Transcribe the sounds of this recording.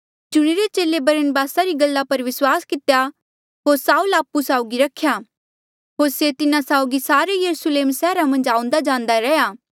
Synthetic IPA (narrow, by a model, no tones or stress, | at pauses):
d͡ʒʊɽ̃iɾet͡ʃeːlebɐɾənbaːsaɾiɡɐlːapɐɾʋɪswaːskɪt̪eja | ɦoːɾsaːulaːpusaːʊɡiɾɐkʰːja | ɦoːɾset̪ɪnãsaːʊɡisaːɾejɐɾusleːmsɛːɾamɐ̃nd͡ʒaːʊ̃nd̪ad͡ʒãːnd̪aɾɛjaː